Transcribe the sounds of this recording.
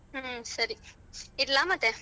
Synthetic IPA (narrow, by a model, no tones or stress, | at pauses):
sɐɾi | ɪlːaːmɐt̪e